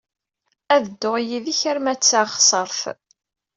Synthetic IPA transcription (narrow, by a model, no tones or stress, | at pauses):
æðəd̪ːoʁjiðiçəɾmæt͡sːaχsˤəɾˤθ